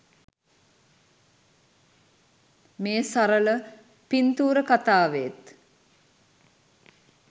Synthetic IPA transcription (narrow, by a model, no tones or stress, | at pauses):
meːsaɾələ | pint̪uːɾəkat̪aːʋeːt̪